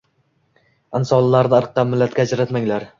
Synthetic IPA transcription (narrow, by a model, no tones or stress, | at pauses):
ɪnsɒlˠlaɾnɪɨɾqːɑmmːɪlːat̪̚kʲaːd͡ʒɾat̪maŋlaɾ